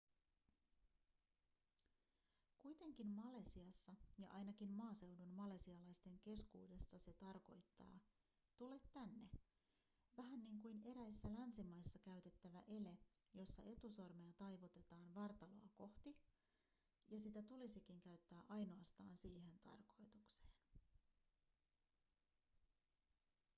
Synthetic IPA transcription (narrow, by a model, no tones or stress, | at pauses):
kujt̪e̞ŋk̟immɑle̞siɑsːɑjɑ̰ʔɑjnɑkimmɑːse̞wdunmɑle̞siɑlɑjst̪e̞ŋk̟e̞skṵːde̞sːɑse̞t̪ɑrko̞jt̪ːɑ̰ː | t̪ule̞t̪ːænːe̞ | ʋæɦænːiŋkujne̞ɾæjsːælænsimɑjsːɑkæɥt̪e̞t̪ːæʋæʔe̞le | jo̞sːɑʔe̞t̪uso̞rmejɑt̪ɑjʋot̪e̞t̪ɑːnʋɑrt̪ɑlo̞ɑko̞ht̪i | jɑsit̪æt̪ulisikiŋkæɥt̪ːæːʔɑjno̞ɑst̪ɑ̰ːnsiːɦe̞nt̪ɑ̰rko̞jt̪ukse̥ːn